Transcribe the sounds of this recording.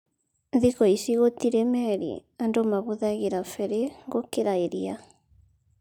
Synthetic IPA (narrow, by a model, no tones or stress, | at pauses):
ðikɔisiɣotiɾemɛɾḭandomaβoðaɣeɾafɛɾeŋɡokeɾaeɾia